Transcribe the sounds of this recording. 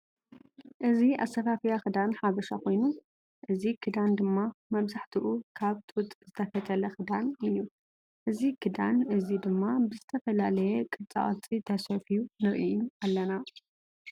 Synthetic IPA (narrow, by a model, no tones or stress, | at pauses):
ʔɨziʔa̰sɐfafijaxɨd̪anħaβɐʃakʰo̞jnu | ʔɨzikʰɨd̪and̪ɨmːamɐβzaħt̪ʰiʔukʰaβt̪ʼut̪ʼzɨt̪ʰɐfɐt̪ʼɐlɐxɨd̪anɨnju | ʔɨzikʰɨd̪anʔɨzid̪ɨmːabɨzɨt̪ʰɐfɐlalɐjɛkʼɨt͡sʼa̰ʔʼt͡sʼit̪ʰɐsɐfijunɨɾʔiʔualːɐna